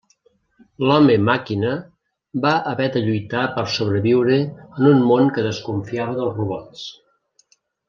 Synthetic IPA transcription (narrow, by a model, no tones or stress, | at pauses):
lɔməmakinə | baʔəβɛd̪əʎujt̪apəɾsoβ̞ɾəβiwɾəːnunmoŋkəðəskuɱfiaβəðəlˠzruβɔt͡s